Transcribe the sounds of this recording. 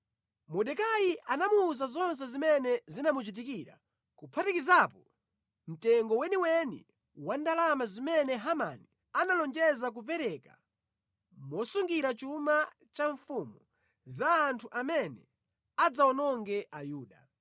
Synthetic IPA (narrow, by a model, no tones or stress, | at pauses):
mɔɗɛkajiʔanamuːzazɔns̬ɛzimɛnɛzinamut͡ʃit̬ikiɾa̰ | kupʰatikizapɔ | m̩tɛŋɡɔwɛniwɛnḭ | wandalamazimɛnɛɦama̰ni | analɔnd͡ʒɛzak̬up̬ɛɾɛka̰ | mɔsuŋɡiɾat͡ʃuma | t͡ʃaɱfumu | zaːntʰuʔamɛnɛ | ad͡zaɔnɔŋɡɛʔajuːɗa